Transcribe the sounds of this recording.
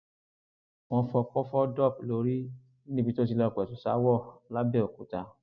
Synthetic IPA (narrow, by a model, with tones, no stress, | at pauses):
w̃ɔ̃˧fɔ˧k͡pɔ˦fɔ˦dɔ˦˨p̚lo˨˦ɾi˦ | i˦nĩ˦bi˧to˦s̬i˧lɔ˧˨kɛ˨tu˨sa̰˨˦wɔ˦˨la˦bɛ˦˨o˨ku˨˦ta˧